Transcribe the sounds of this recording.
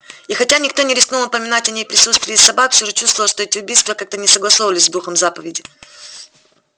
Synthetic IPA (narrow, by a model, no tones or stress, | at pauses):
ixɐtʲanʲɪkt̪o̞nʲɪɾʲɪsknulnəpəmʲɪnatʲɐnʲejpɾʲɪsut̪st̪vʲɪjɪsɐbakfsʲoʐɨt͡ɕust̪vəlˠʂt̪o̞ɛtʲɪʊbʲijst̪vəkak̚t̪ənʲɪsəɡlˠɐsovəlʲɪsʲzd̪uxəmzapəvʲɪdʲɪ